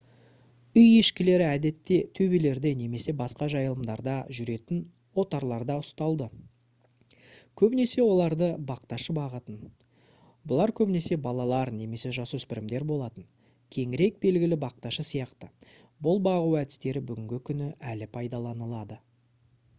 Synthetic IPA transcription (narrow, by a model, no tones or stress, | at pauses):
ʏjeʃkʲɪle̞ɾɪæd̪e̞t̪ːe̞t̪ʰɵbele̞ɾd̪ene̞me̞se̞bɑsqɑʒɑjəlˠəmd̪ɑɾd̪ɑʒʏɾe̞t̪ɪn | wo̞t̪ɑɾlˠɑɾd̪ɑʊst̪ɑlˠd̪ə | kʲʰɵbɪne̞se̞wo̞lˠɑɾd̪əbɑqt̪ɑʃəbɑʁət̪ən | bʊlˠɑɾkʲʰɵbɪne̞se̞bɑlˠɑlˠɑɾne̞me̞se̞ʒɑsuʏspɪɾɪmd̪e̞ɾbo̞lˠɑt̪ən | kʲʰe̞ŋɪɾe̞k̚be̞lɡʲɪlɪbɑq̚t̪ɑʃəsijɑqt̪ə | bʊlˠbɑʁuwæd̪ɪ̥st̪e̞ɾɪbʏɡʲɪŋɡʲɪkʲʰʏnɪʔælɪpʰɑjd̪ɑlˠɑnəlˠɑd̪ə